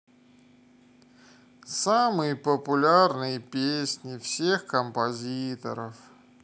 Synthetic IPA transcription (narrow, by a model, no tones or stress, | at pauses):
samɨjəpəpʊlʲarnɨjəpʲesʲnʲɪfsʲexkəmpɐzʲit̪ə̰ɾəf